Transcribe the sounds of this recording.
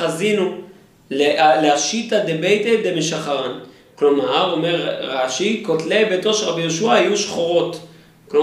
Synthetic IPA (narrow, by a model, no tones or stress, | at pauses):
azinu | lealeaʃitad̪ebejt̪ed̪emeʃaχaʁan | klomaʁome̞ʁːaʃikotlebetoʃʁabijoʃuahajuʃχoʁo̞t | klo